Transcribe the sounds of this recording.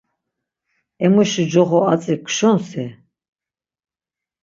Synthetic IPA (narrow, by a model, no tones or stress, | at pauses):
ɛmuʃid͡ʒɔʁɔat͡sʼikʰʷʃɔnsɛ